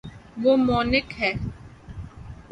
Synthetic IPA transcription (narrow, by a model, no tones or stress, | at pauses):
ʋoːmɔːnɪkɦɛː